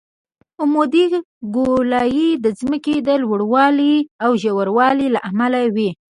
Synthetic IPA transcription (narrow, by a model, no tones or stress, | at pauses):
ʊmod̪i | ɡolɑjid̪əzməked̪əlwəɽwɑliawʒawaɾwɑlilaʔamalawi